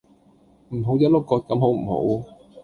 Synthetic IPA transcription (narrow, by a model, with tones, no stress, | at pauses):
m̩˨˩ɦo˨˥wjɐ˥t̚lʊ˥kɔː˧t̚kɐ˨˧˥mɦo˨˥wm̩˨˩ho̰˨˥w